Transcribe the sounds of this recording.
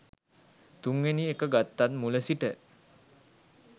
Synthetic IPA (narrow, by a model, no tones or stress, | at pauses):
t̪uŋʋeniekəɡat̪ːat̪̚muləsiʈə